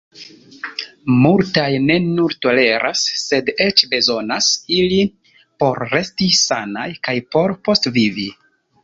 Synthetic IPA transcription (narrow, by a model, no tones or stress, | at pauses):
multajne̞nuɾto̞le̞ɾʔa̰sːe̞de̞t͡ʃbe̞zo̞nasili | po̞ɾːe̞stisanajkajpo̞ɾpo̞stvivi